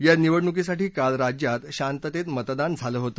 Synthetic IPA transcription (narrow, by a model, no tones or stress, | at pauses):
janiʋəɽɳuk̬is̬aʈiːkalɾad͡ʑjat̪ɕant̪ət̪et̪mət̪d̪and͡zʱaləːɦot̪ə